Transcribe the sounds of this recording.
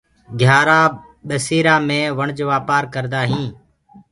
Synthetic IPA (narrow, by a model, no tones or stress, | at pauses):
ɡʱjaːɾaː | ɓesiːɾaːmẽːʋəɳd͡ʒʋaːpaːɾkəɾd̪aːɦĩː